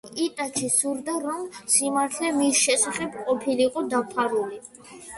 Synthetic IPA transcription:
it̪ʼat͡ʃʰisuɾd̪aɾɔmsimaɾt̪ʰlɛmisʃɛsaχɛbqʼɔpʰiliqʼɔd̪apʰaɾuli

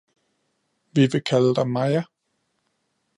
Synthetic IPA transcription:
ʋiʋe̝kʰæləd̥ɑmɑɪɐ

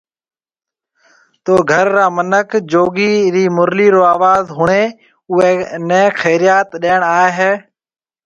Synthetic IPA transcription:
t̪oːɡʱəɾːaːmənəkʰd͡ʒoːɡiːɾiːmʊɾliːɾoːaːʋaːzɦʊɳeː | ʊeːneːxʰeːɾɪjaːt̪ɗeːɳaːeɦeː

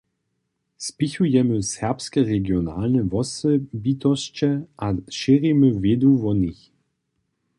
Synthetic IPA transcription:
spɪçujɛməsɛʁpskɛʁɛɡjɔna̰lnɛvɔsɛbit̪ɔst͡ɕɛʔaʃɪʁiməvʲjed̪uvɔnix

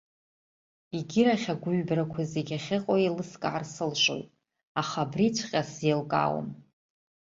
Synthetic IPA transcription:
iɡʲɪɾaχʲaɡʷʊɥbrakʷʰazeɡʲaχʲɪqʼoilɨskʼaʕarsɨlʃʷo̰jtʼ | aχabrit͡ʃʷʰqʲʼaselkʼa̰w̰n

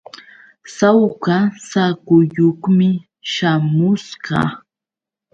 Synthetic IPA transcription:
sawkasakʊjoχmɪ | ʃamʊsɢɑ̰

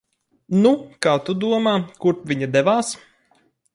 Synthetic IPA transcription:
nukaːt̪ud̪uɔmaːkuɾvʲiɲad̪ɛʋaːs

